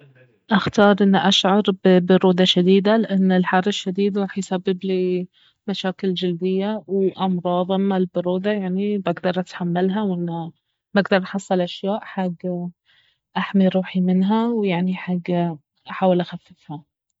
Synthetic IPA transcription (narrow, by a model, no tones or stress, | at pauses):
ʔaxt̪ɑːɾˤʔɪnːʔaʃʕɑɾˤbɪbʊɾuːd̪aʃad̪iːd̪alɪʔanːɪlħɑrˤːɪʃːad̪iːd̪ɾˤɑːħajsabːɪbli | maʃaːkɪld͡ʒɪld̪ɪjːawʔɑmɾˤɑːðˤɪmːalbʊɾuːd̪ajaʕnibaɡd̪ɑɾˤʔat̪ħamːalɦawʔɪnːa | baɡd̪ɑɾˤʔɑħɑsˤːɑlʔaʃjaːʔħaɡː | ʔaħmiɾˤuːħimɪnɦawjaʕniħaɡː | ʔaħaːwɪlʔaxafːɪfha